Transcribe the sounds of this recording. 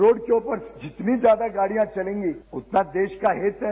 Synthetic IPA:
ɾoːɖkeoːpəɾd͡ʒɪt̪nid͡ʒjaːd̪aɡaːɽijãt͡ʃɐlẽːŋɡiʊt̪nad̪eːʃkaɦɪt̪ɦɛ

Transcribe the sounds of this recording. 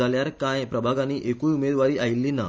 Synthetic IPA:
aljaɾkãjpɾəbʱaɡaniːʔekũjumed̪ʋaɾiːʔajilːina̰

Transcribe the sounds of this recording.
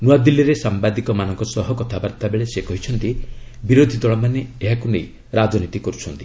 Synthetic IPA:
nuwad̪ilːiɾesambad̪ikɔmanɔŋkɔsɔɦɔkɔt̪ʰabaɾt̪abeɭesekɔɦit͡ʃʰɔnt̪ibiɾod̪ʱid̪ɔɭɔmaneeɦakunḛj | ɾad͡ʒɔnit̪ikɔɾut͡ʃʰɔnt̪i̥

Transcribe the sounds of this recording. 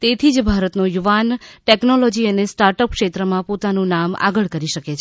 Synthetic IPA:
t̪et̪ʰid͡ʒbʱaɾət̪nojuʋanʈeknɔlɔd͡ʒiənesʈaɾʈəp̚kʃet̪ɾəmãpot̪anũnama̰ɡəɭkəɾiʃəket͡ʃʰ

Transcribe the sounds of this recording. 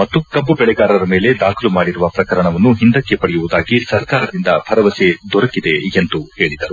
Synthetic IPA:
mɐt̪ːukɐbːubɛɭɛɡaːɾɐɾɐme̞ːle̞d̪aːkʰɐlumaːɽiɾuʋɐpɾɐkɐɾɐɳɐʋɐnːuɦind̪ɐkːe̞pɐɽejuʋud̪aːɡisɐɾkaːɾɐd̪ind̪ɐpʰɐɾɐʋɐsed̪ɔɾɐkid̪e̞ent̪uhe̞ːɭid̪ɐɾu

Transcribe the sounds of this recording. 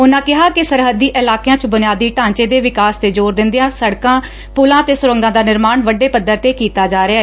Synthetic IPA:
ʊnãːkɪɦaːkɪsəɾɦəd̪ːiːʔɪlaːkejãːt͡ʃbʊnɪjaːd̪iːʈãːɲt͡ʃeːd̪eːʋɪkaːst̪eːd͡ʒoːɾd̪ɪnd̪ejaːsəɽkãː | pʊlãːt̪eːsʊɾə̃ŋɡãːd̪aːnɪɾmaːɳʋəɖeːpəd̪ːəɾt̪eːkiːt̪aːd͡ʒaːɾɪjaː

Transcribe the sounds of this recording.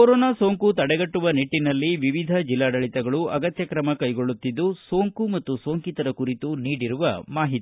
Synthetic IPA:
koɾoːnaːso̞ːŋkut̪ɐɽɛɡɐʈːuʋɐniʈːinɐlːiʋiʋid̪ʱɐd͡ʒilːaːɽɐɭit̪ɛɡɐɭuʔɐɡɐt̪jɐkɾɐmɐkɐjɡo̞ɭːut̪ːid̪ːuso̞ːŋkumɐt̪ːuso̞ːŋkit̪ɐɾɐkuɾit̪uniːɽiɾuʋɐ̰maːɦit̪i

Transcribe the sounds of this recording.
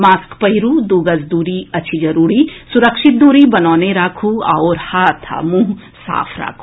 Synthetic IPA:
maːskpɐiɾuːd̪uːɡəzd̪uːɾiɐtːʃʰid͡ʒɐɾuːɾisʊɾəkʃɪt̪̚d̪uːɾibɐnɔːneɾaːkʰua̰oːɾhaːt̪ʰa̰mũːɦ | sa̰ːpʰɾa̰ːkʰu̥

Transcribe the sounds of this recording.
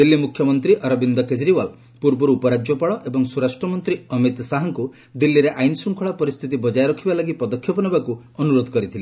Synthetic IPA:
d̪ilːimukʰjɔmɔnt̪ɾiʔɔɾɔbind̪ɔked͡ʒɾiwal | puɾbɔɾuːpɔɾad͡ʒjɔpaɭɔʔebɔŋsuɾasʈɾɔmɔnt̪ɾiɔmit̪saɦɔŋku | d̪ilːiɾeʔajnsuŋkʰɔɭɔpɔɾist̪ʰit̪̬ibɔd͡ʒajɾɔkʰibalaɡipɔd̪ɔkʰːjɔpɔnɔbaku | ɔnuɾod̪ʱɔkɔɾit̪ʰili

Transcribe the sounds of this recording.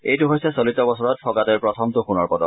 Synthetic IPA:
ejtuɦojsɛsolitɔbɔsɔɹɔt̚fʰɔɡatɔɹpɹɔtʰɔmtuxunɔɹpɔdɔ̰

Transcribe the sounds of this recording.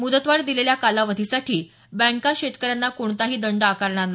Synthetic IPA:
mud̪ət̪ʋaɽd̪ileljakalaʋəd̪ʱisaʈʰiː | bə̃ŋkaɕet̪kəɾjanːakoɳt̪aɦiːd̪əɳɖakaɾɳanːa

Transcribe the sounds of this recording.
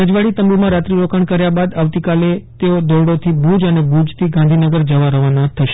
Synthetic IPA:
əd͡ʒʋaɽit̪əmbumãɾat̪ɾiɾokaɳkəɾjabad̪aʋt̪ikalet̪eod̪ɔɾɽot̪ʰibud͡ʒənebud͡ʒt̪ʰiɡãnd̪ʱinəɡəɾd͡ʒəʋaɾəʋanat̪ʰəʃe̥

